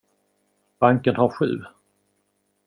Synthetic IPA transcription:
b̥aŋkənhaɾɧʉ̟̰ː

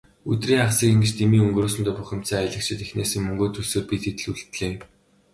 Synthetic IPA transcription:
ɵt̪riːŋaχsiːkiŋɡɘ̆t͡ɕt̪emiːɵŋɡroːs̬ɘ̆nt̪ʊːpʊxʲɪ̆m̥t͡sœːaɮə̆k̚t͡ɕʰɪ̆t̪exneːsɘ̆ŋmɵŋɡoːt̪ʰuɮsoːrpit̪it̪ɘ̆ɮuɮt̪ɮeː

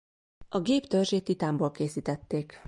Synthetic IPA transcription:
ɒɡeːpt̪ørʒeːt̪it̪aːmboːlkeːsiːt̪ɛt̪ːeːk

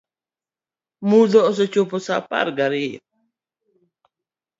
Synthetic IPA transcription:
mud̪ɔːs̬ɔt͡ʃopɔsapa̰ɾɡaɾɪ

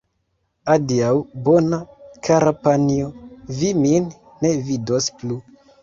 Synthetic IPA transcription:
adiawbo̞nakʰaɾapanioviminː | e̞vidosplu

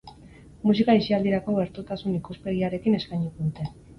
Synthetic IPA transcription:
musikaisiald̪iɾakoe̞ɾt̪ut̪asunikuspe̞ɣiaɾe̞kine̞skajɲit̪uut̪e

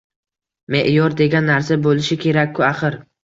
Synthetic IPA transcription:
me̞ʔjɒɾd̪e̞ɡʲanːaɾsabolɪʃɪkʲʰe̞ɾakʲkʰːʊaχɨɾ

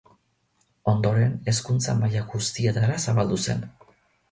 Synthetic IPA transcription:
o̞nd̪o̞ɾe̞ne̞skunt͡sa̰majaɣust̪ie̞t̪aɾasaβald̪use̞̰n

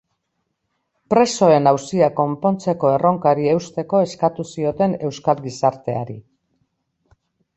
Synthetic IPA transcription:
pɾe̞so̞e̞nawsiako̞mpo̞nt͡se̞ko̞e̞ro̞ŋkaɾie̞wst̪e̞ko̞e̞skat̪usio̞t̪e̞ne̞wskalɡisaɾt̪e̞aɾi

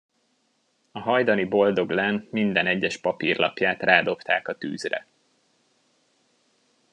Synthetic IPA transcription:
ɒɦɒjd̪ɒnibo̞ld̪o̞ɡlaːnmind̪ɛnɛɟːɛʃpɒpirlʔɒ̰pjaːt̪raːd̪o̞pt̪aːkɒt̪y̰ːzrɛ̰

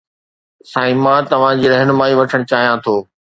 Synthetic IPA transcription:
sãːĩmãːt̪ɐʋ̤ãd͡ʑiːɾɛɦnʊmaːiʋɐʈʰəɽ̃t͡ɕaːɦijãt̪ʰoː

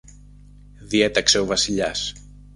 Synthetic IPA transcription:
ðiet̪ɐkse̞ovɐsiʎɐs

